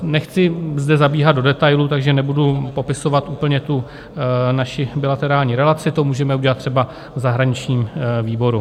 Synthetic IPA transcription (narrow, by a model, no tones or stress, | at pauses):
nɛxt͡sɪzdɛzabiːɦad̪do̞dɛt̪ajlut̪aɡʒɛnɛbudupo̞pɪso̞vat̪ʔuːpl̩ɲɛt̪u | naʃɪbɪlat̪ɛɾaːlɲiːɾɛlat͡sɪt̪o̞muːʒɛmɛuɟɛlat̪ːr̥ɛba | vzaɦɾaɲɪt͡ʃɲiːmviːbo̞ɾu